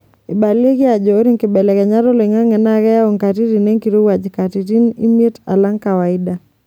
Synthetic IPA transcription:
i˨ba˨le˦kɪ˦a˨d͡ʒɔː˨˦ɾi˦ŋkɪ˨bɛ˨lɛ˨kɛ˨ɲa˦ɾɔ˦le˨ŋa˦ŋɛ˨na˦kɛ˦ja˦o˨ŋka˨ti˦ɾi˨ne˦ŋki˨ɾo˦wa˨d͡ʒka˨ti˨ɾi˦nḭ˦mi˦e˦ta̰˨la˦ŋka˨wa˨i˦da˨

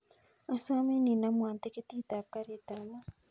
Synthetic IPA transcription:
a˨sa˦mi˦ni˨namwa˨nt̪e˦ki˦t̪it̪a˨p̚kaɾit̪ama˦

